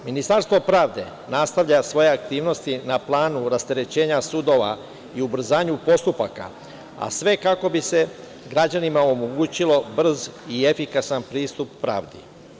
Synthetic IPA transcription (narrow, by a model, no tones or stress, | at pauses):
minist̪aɾst̪ʋo̞pɾaːʋd̪e̞̰ | nast̪aʋʎasʋo̞je̞ak̚t̪iːʋno̞st̪inaplˠaːnuɾast̪e̞ɾe̞t͡ɕe̞ːɲasud̪o̞ʋa̰ | iubr̩zaːɲupo̞st̪upaka̰ | a̰sʋe̞kako̞bise̞ | ɡɾad͡ʑanimaomoɡuːt͡ɕilo̞br̩zie̞fikasanpɾiːst̪upːɾa̰ːʋd̪ḭ